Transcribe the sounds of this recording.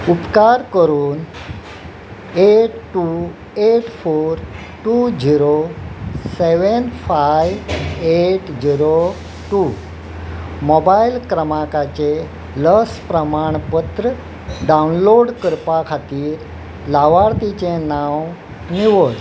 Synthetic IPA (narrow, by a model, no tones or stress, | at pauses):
upkaɾkəɾuːn | eʈʈːu | eʈfoɾ | ʈud͡ʑiɾo | seʋənfajeʈd͡ʑiɾo | ʈu | mɔbailkɾəmakat͡ɕe | ləspɾəmaɳpət̪ɾə | ɖawunloɽkəɾpakʰat̪iːɾ | laʋaɾt̪it͡ɕenaw | niʋoɾ